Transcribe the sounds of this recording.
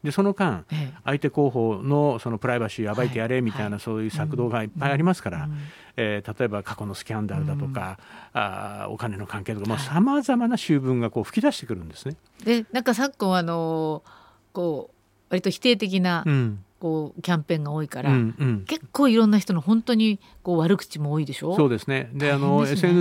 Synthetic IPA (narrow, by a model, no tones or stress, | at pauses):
d̪e̞so̞no̞kãɰ̃ait̪e̞ko̞ːɦo̞ːno̞so̞no̞pɯ̟ɾaibaɕiːabaiejaɾe̞mʲit̪ainaso̞ːjɯ̟ːsakɯd̪o̞ːɡaipːaiaɾʲimasɨ̥kaɾa | et̪at̪o̞e̞bakako̞no̞sɨ̥kʲãnd̪aɾɯ̟d̪at̪o̞ka̰ | o̰kaneno̞kãŋkeːt̪okamosamazamanaɕɨːbɯ̟̃ŋɡako̞ːɸɯ̥kʲid̪aɕi̥t̪e̞kɯ̟ɾɯ̟̃nd̪e̞sɨne | enãŋkasakːo̞ano̞ | ko̞ː | βaɾʲit̪o̞çi̥t̪e̞ːt̪e̞k̬ʲinaɯ̃ko̞ːkʲãmpẽ̞ŋɡao̞ːikaɾãɯ̃ɴke̞kʰːo̞ːiɾõ̞nːaçi̥t̪o̞noɦõ̞nt̪o̞ɲ̟i | ko̞ːβaɾɯ̟kɯ̥t͡ɕimo̞ːid̪e̞ɕo̞ːsso̞ːd̪e̞sɨne̞d̪e̞ano̞e̞sen